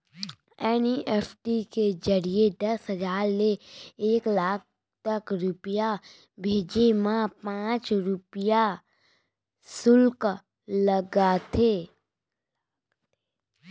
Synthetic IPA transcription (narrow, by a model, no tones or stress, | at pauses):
ɛːniʔɛːfʰʈiked͡ʒəɾied̪ɐsɦəd͡ʒaːɾleeːklaːk̚ʰ | t̪əkɾʊpija | bʱeːd͡ʒemãpãːt͡ʃɾʊpɪja | sʊlk | ləɡat̪ʰeː